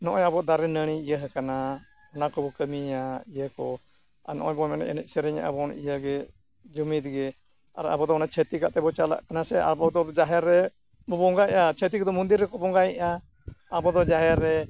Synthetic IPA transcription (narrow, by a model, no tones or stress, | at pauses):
nɔʔɔjabɔd̪aɾɛnəɽ̃iijəɦkana | ɔnakɔbɔkəmiaijəkɔ | anɔ̰ʔɔjbɔmɛnɛʔɛ̰nɛc̚sɛɾɛɲa̰ʔa̰bɔnijəɡɛ | d͡ʒumit̪̚ɡɛ | a̰ɾabɔd̪ɔɔnat͡ʃʰət̪ika̰ʔt̪ɛbɔt͡ʃala̰ʔkanasɛʔa̰bɔd̪ɔd̪ɔd͡ʒaɦaɾːɛ | bɔbɔŋɡajʔat͡ʃʰət̪ikɔd̪ɔmund̪iɾːɛkɔbɔŋɡaja | abɔd̪ɔd͡ʒaɦaɾːɛ